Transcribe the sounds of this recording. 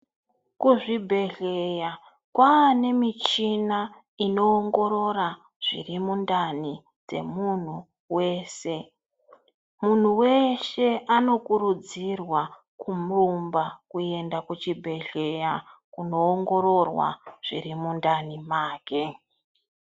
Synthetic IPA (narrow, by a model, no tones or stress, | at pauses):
kuʐibʱe̞ɮe̞ja | kwaːne̞mit͡ʃina | ino̞ːŋɡo̞ɾo̞ɾa | ʐ̥ḭrimundani | d͡ze̞̰mun̤u | we̞ːse̞ | mun̤uwe̞ʃe̞ʔano̞kuɾud͡zirwa | kʰumurumbakue̞ndakut͡ʃibʱe̞ɮe̞jakuno̞ːŋɡo̞ɾo̞rwa̰ʐ̥ḭrimundanimaːke̞